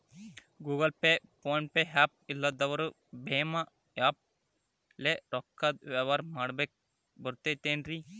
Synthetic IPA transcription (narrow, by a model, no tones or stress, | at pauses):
ɡuːɡɐlpepoɳpeɦaːp̚ilːɐd̪ɐʋɐɾu | beːma | jaːp̚ | leɾɔkːɐd̪̚ʋeʋɐɾmɐɽbek̚ | bɐɾt̪et̪eːnɾi